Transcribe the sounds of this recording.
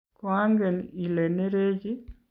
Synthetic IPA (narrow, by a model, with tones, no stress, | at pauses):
kwa˦ŋɡe˨ni˨le˨ne˦ɾe˦d͡ʒi˦